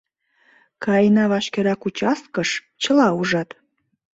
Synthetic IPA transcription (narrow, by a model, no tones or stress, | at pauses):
kɑjnɑβɑʃkeɾɑkut͡ɕɑs̚kəʃ | t͡ɕəlɑuʒɑt̪